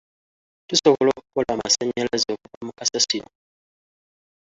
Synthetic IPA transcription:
tusɔkɔlɔkɔlamasɛɲɛlɛzɔkamukasasinɔ

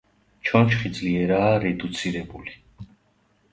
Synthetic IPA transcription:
t͡ʃʰɔnʃχid̪zʼliɛɾaːɾɛd̪ut̪sʰiɾɛbuli

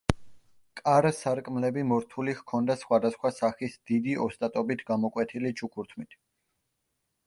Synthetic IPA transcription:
kʼaɾsaɾkʼmlɛbimɔɾt̪ʰulihkʰɔnd̪asχwad̪asχwasaχisd̪̥id̪iʔɔst̪ʼat̪ʼɔbit̪ʰɡamɔkʼwɛt̪ʰilit͡ʃʰukʰuɾt̪ʰmit̪ʰ

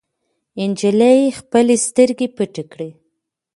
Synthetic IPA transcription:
ɪnd͡ʒilajexpəlest̪əɾɡepəʈikɽi

